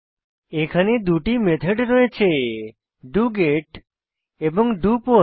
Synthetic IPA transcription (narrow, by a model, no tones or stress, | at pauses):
ekʰaned̪uʈimet̪ʰeɖɾɔet͡ʃʰe | ɖuɡeʈ | ebɔŋɖupo